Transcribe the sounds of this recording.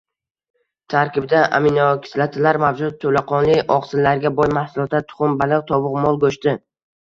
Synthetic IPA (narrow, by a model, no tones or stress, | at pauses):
t̪ʰaɾkʲɪbd̪aʔa̰mɪnɒkʰʲɪ̥slat̪ʰɪlaɾmavd͡ʒʊt̪̚tʰːɵlaqʰɒnlɪʔɒqsɪlːaɾɡʲabɒjmahsʊlˠɒt̪at̪ʰʊ̥χʊmbalˠɨqt̪ʰɒvʊqmɒlˠɡɵʃt̪ɪ